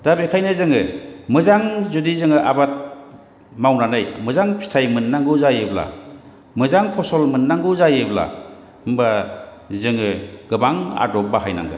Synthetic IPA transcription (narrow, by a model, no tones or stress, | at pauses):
d̥abekʰajnɯzɯŋɯmɯzaŋzudizɯŋɯʔabat̚ | mawnanɯjmɯzaŋpʰi̥tʰajmɯnːaŋɡɯzajɯbla̰ | mɯzaŋkʰɔsɔlmɯnːaŋɡɯzajɯbla̰ | ɯmba | zɯŋɯɡ̥ɯbaŋa̰dɔp̚baɦajna̰ŋɡɯ̰